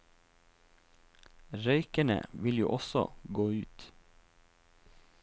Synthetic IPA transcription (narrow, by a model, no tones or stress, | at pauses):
ɾœʏkəɳə̰ʋɪljṵːʔɔsɔ̰ɡoːʉːt̪